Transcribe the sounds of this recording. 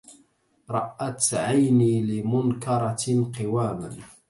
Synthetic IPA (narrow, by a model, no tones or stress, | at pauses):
ɾˤɑʔat̪ʕajniːlɪmʊnkɑɾˤɑqɪwaːma̰n